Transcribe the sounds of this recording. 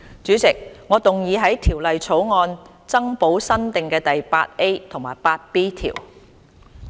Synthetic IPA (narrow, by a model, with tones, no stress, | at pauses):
t͡ʃyː˨˥t͡sɪ˨k̚ŋɔː˨˧t̪ʊ˨ŋjiː˨˧ɦɐ˨˥jt̪ʰiː˨˩wlɐ˨jt͡sʰo˨˥wŋɔː˧n | t͡sɐ˥ŋpo˨˥wsɐ˥nt̪ɪ˨ŋkɛː˧t̪ɐ˨jpa̰ː˧t̚e˥jt̪ʰʊ˨˩ŋmaː˨˩jpaː˧t̚piː˥t̪ʰḭː˨˩w